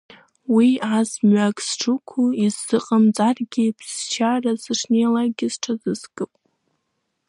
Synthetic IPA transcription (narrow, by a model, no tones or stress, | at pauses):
wiazmɥakʼsʈ͡ʂʰukʷʰuizːɨqʼamt͡sʼarɡʲipʰzst͡ʃʰarazɨʂnejlaɡʲɪz̥ʈ͡ʂʰazɨskʼɨpʼ